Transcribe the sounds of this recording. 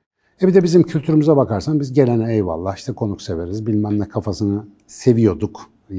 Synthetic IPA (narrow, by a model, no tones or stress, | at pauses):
ɛbid̪ɛbizimcʰylʲt̪ʰyɾymyzabakaɾsambizɟe̞lʲenɛɛjva̰lˠːaːiʃt̪ʰɛkʰo̞nukse̞ve̞ɾizbilʲmæmlʲɛkʰafasɯnɯ | se̞vijo̞d̪uk